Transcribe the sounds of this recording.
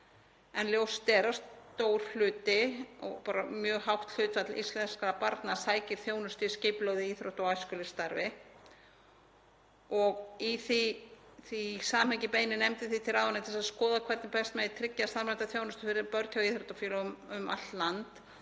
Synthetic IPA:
ɛnljowst̪ɛːɾast̪oːwɾ̥lʏːt̪ɪɔ̰ɣpaːɾamjœːɦawht̪l̥ʏːt̪fat̪lḭst̪lɛnskɾapaɾt̪nasaːjcɪɾ̥θjoːwnʏst̪ɪscɪplowðɪiθɾoht̪awajskʏlɪ̥st̪aɾvɪ | ɔɣiθiθisaːmhajcɪpeːjnɪnɛmt̪ɪθit̪ʰɪlaːðvanaitθɛsaðskɔːðakʰvɛɾt̪npɛst̪mɛðit̪ʰɾɪcːasamlajnt̪aθjownʏst̪ʏ̥fɪɾɪɾpœɾt̪hjawiθɾɔht̪afjiːlamʏma̰t̪lant̪

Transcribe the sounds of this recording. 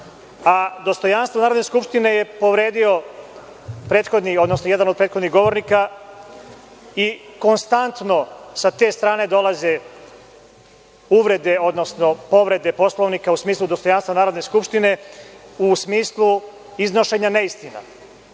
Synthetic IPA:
ad̪o̞st̪o̞janst̪ʋonaːɾo̞d̪neskupʃt̪ine̞je̞po̞ʋɾe̞ːd̪io̞ | pɾe̞ːt̪xo̞d̪nio̞d̪nosnojɛd̪anod̪̚pɾeːt̪xod̪niɣɡo̞ʋo̞ɾnika | iko̞nst̪ant̪no̞sat̪e̞ːst̪ɾaːne̞d̪o̞lˠaze | uʋɾe̞d̪e̞o̞d̪no̞sno̞po̞ʋɾe̞d̪epo̞slˠoʋnikausmiːslˠud̪o̞st̪o̞janst̪vanaːɾod̪neskupʃt̪ine̞usmiːslˠu | iznoʃe̞ɲaneist̪ina̰

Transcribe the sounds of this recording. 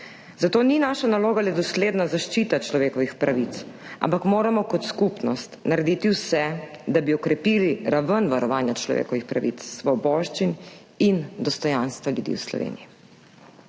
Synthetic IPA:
zat̪oːninaːʃanaloːɡalɛd̪ɔsleːd̪nazaʃt͡ʃiːt̪at͡ʃlɔʋeːkɔʋixpɾaʋit̪sa̰mpakmoːɾamɔkɔt̪skupnɔ̰st̪naɾɛd̪iːt̪iwsɛd̪abiɔkɾɛpiːliɾaʋənʋaɾɔʋaːnjat͡ʃlɔ̰ʋḛkɔʋixpɾa̰ʋḭt̪ssʋɔbɔːʃt͡ʃin | ind̪ɔst̪ɔjanst̪ʋaljud̪ḭwslɔ̰ʋḛːniji

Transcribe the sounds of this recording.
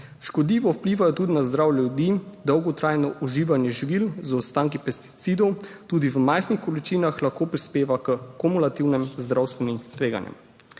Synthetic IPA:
ʃkɔd̪liːʋɔwpliːʋajɔt̪ud̪inazd̪ɾawjljɛjud̪id̪ɔwɡɔt̪ɾaːjnɔʔuʒiːʋanjɛʒiʋilzɔt̪st̪aːŋkipɛst̪i̥t̪siːd̪ɔw | t̪uːd̪iʋəmajxnixkɔlit͡ʃiːnaxlaxkoːpɾispeːʋakəkɔmulat̪iwnɛmzd̪ɾawst̪ʋɛnimt̪ʋeːɡa̰njɛ̰m

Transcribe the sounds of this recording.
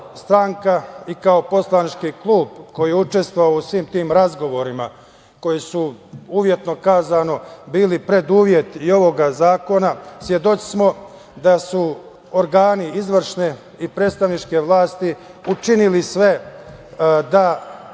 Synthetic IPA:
st̪ɾaŋkaikaopo̞slˠanit͡ʃkiklˠuːbko̞jijeut͡ʃe̞st̪ʋoʋaousʋiːmt̪iːmɾazɡo̞ʋo̞ɾima | ko̞jisuuʋje̞t̪no̞kaːzano̞biːlipɾe̞d̪uːʋje̞t̪io̞ʋo̞ɡazaːko̞nasjed̪o̞t͡ʃsmo̞ | d̪asu | oɾɡaːniizʋr̩ʃne̞ | ipɾe̞ːt̪st̪aʋnit͡ʃke̞ʋlˠaːst̪iut͡ʃinilisʋe̞ | d̪a

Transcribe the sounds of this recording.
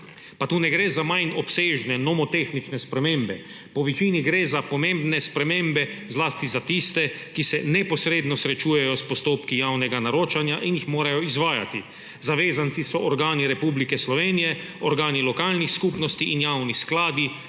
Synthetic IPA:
pat̪uːnɛɡɾezamajnɔpseːʒnɛnɔmɔt̪exnit͡ʃnɛspɾɛmeːmbɛ | pɔʋit͡ʃiniɡɾeːzapɔmẽmbnɛspɾɛmẽːmbɛzlaːst̪izat̪ist̪ɛkisɛnɛpɔsɾeːd̪nɔsɾɛt͡ʃuːjɛjɔspɔst̪oːpkijaːwnɛɡanaɾoːt͡ʃanjaʔinjixmoːɾajɔizʋaːja̰t̪i | zaʋeːzant̪sisɔʔɔɾɡaːniɾɛpublikɛslɔʋeːnijɛ | ɔɾɡaːnilɔkaːlnixskuːpnɔst̪iʔinjawnisklaːd̪i

